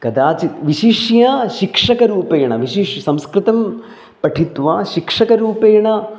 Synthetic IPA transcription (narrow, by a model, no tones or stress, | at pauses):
kɐd̪aːt͡ʃit̪ʋiʃiʂjɐʃikʂɐkɐɾuːpeːɐɳɐʋiʃiʂsɐ̃mskɾɪt̪ɐm | pɐʈʰit̪ʋaːʃikʂɐkɐɾuːpeːɐɳɐ